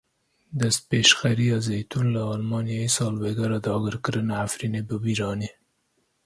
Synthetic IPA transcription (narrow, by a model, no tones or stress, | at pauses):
d̪əspeʃxaɾiazejt̪unlaɑlmɑnjɑisɑlweɡaɾad̪ɑɡəɾkɾənaafɾinibabiɾɑni